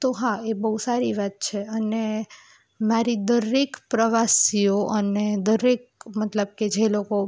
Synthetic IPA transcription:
t̪oɦãebəɦusaɾiʋat̪̚t͡ʃʰeəne | maɾid̪əɾekpɾəʋasioʔəned̪əɾek̚mət̪ləb̚ked͡ʒeloko

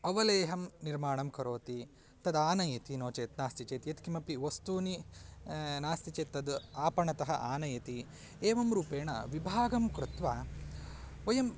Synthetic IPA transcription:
ɐʋɐleːɦɐmniɾmaːɳɐmkɐɾoːt̪i | t̪ɐd̪aːnɐjɐt̪inoːt͡ʃeːt̪naːst̪it͡ʃeːt̪ijɐt̪kimɐpiʋɐst̪uːni | naːst̪it͡ʃeːt̪ːɐd̪aːpɐɳɐt̪ɐɦɐ̰ʔaːnɐjɐt̪i | eːʋɐmɾuːpeːɳɐ̰ʋibʱaːɡɐmkɾut̪ʋaː | ʋɐjɐm

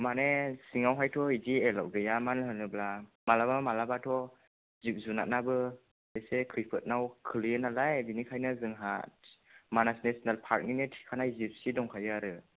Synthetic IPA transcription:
manesiŋawɦajtʰɔidiela̰wɡɯjamanɦɯnɯbla | malabamalabatʰɔ | zip̚zuna̰t̚nabɯ | esekʰɾipʰɯt̚nawkʰɯlijenalajdinikʰajnazɯŋɦa̰t̚manasnesnalpʰaɾk̚ninɯtʰi̥kʰanajzip̚sidɔŋkʰajɯaɾɯ

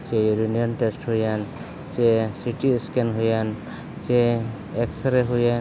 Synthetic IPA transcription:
t͡ʃɛɾunijɔnʈesʈhujan | t͡ʃɛsiʈiskɛnɦujan | t͡ʃɛ | ɛksɾɛɦujan

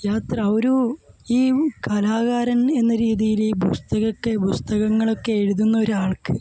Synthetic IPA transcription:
jaːt̪rɐoɾuiːkɐlaːɣaːɾɐne̞nːɐɾiːðijilpust̪ɐɣɐkːepust̪ɐɣɐŋːɐɭo̞kːe̞eɻuðunːɐo̞ɾuaːɭkɨ

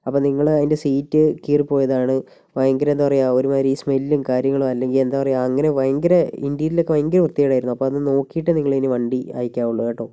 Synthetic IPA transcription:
ɐpːoːniŋːɐɭɐðindesiːtːɨkiːrpo̞ːjɐðaːɳɨ | ʋɐjɐŋɡɐɾɐend̪aːpɐrɐjuaoɾumaːɾismelːumkaːɾjɐŋːɐɭumɐlːe̞ŋɡile̞nd̪aːpɐrɐjuɐŋːɐne̞ʋɐjɐŋɡɐɾɐindijɐtilo̞kːeʋɐjɐŋɡɐɾɐʋrt̪ːijaːjɽaːjiɾunːuɐpːoːɐðɨno̞ːkːijiʈːɨniŋːɐɭeiniʋɐɳɖia̰ːjikʲːaːuɭːɐʋeːʈːoː

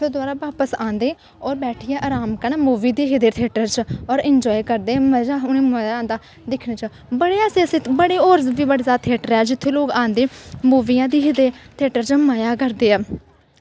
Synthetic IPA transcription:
pʰed̪ʊaːɾaːʋaːpəsãːnd̪eː | ɔːɾbɛːʈʰiːɛ̃ːʔaːɾaːmkənɛːmuːʋiːd̪iːɦɪd̪eːt̪ʰeːʈəɾt͡ʃɔːɾɪɲd͡ʒɔːikəɾd̪eːməd͡ʒaːʊnẽːməjaaːnd̪aː | d̪ɪkʰneːt͡ʃː | bəɽeːaːsesɪt̪bəɽeːoːɾzʋiːbəɽeːzaːt̪ʰeːʈəɾɛːd͡ʒɪt̪ʰːeːloːɡãːnd̪eːmuːʋiːjãːd̪iːɦɪd̪eːt̪ʰeːʈəɾt͡ʃmajaːkəɾd̪eːɛː

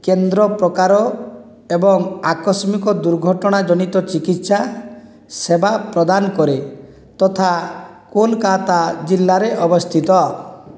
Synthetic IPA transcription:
kend̪ɾɔpɾɔkaɾɔ | ebɔŋakɔsmikɔd̪uɾɡʱɔʈɔɽ̃ad͡ʒɔñit̪ɔt͡ʃikit̪sa | sebapɾɔd̪anɔkɔɾe | t̪ɔt̪ʰa | kolkat̪ad͡ʒilːaɾeʔɔbɔst̪ʰit̪ɔ

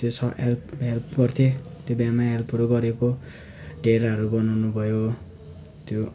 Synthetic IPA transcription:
t̪josʰʌʔḛlpelpɡʌrt̪ʰet̪jobjamaelpʰuɾoɡʌɾeko | ɖeɾʌɾubʌnawnubʱʌjo | t̪jo

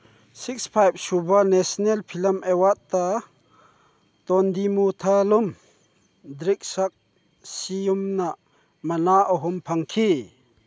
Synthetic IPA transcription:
sik̚spʰajb̚subanesnelpʰilɐmʔewat̪̚t̪a | t̪ɔnd̪imut̪ʰalum | d̪ɾik̚sɐk̚ | siumna | mɐnaɔɦumpʰɐŋkʰi

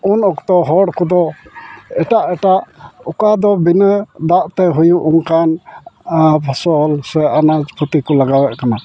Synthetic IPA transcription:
unɔkt̪ɔɦɔɽkɔd̪ɔ | ɛʈaʔɛʈaʔukad̪ɔbinəd̪aʔt̪ɛɦujuʔuŋkan | pʰɔsɔlsɛʔanad͡ʒpʰɔt̪ikɔlaɡawɛʔkana

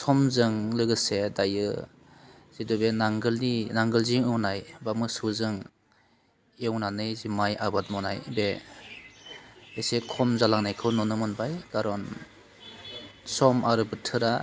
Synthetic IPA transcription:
sɔmzɯŋlɯɡɯsedajɯ | z̥idɔbenaŋɡɯlninaŋɡɯlziŋɯwnajbamɯsuzɯŋ | ewnanɯjzimajabat̚mɔnajbe | esekʰɔmzalaŋnajkʰɯwnɔnɯmɯnbajɡ̥aɾɔn | sɔmaɾɯbɯtʰɯɾa

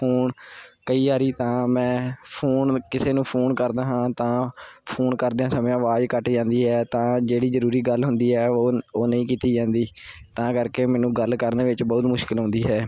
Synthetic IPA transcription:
oːnkəiːaːɾiːt̪ãːmɛ̃ːpʰoːnkɪseːnũːpʰoːnkəɾd̪aːɦãːt̪ãːpʰoːnkəɾd̪eãːsəmːãːʋaːd͡ʒkəʈd͡ʒãːnd̪iːɦɛːt̪ãːd͡ʒeːɽiːzəɾuːɾiːɡəlɦʊnd̪iːɦɛːoːnəĩːkiːt̪iːd͡ʒãːnd̪iːt̪ãːkəɾkeːmɛ̃ːnũːɡəlkəɾneːʋɪt͡ʃbɔːt̪mʊʃkɪlɦʊ̃nd̪iːɦɛː

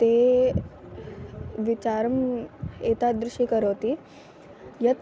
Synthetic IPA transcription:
t̪e | ʋit͡ɕaɾəmet̪ad̪ɾuʂʈikəɾoːt̪i | jət̪

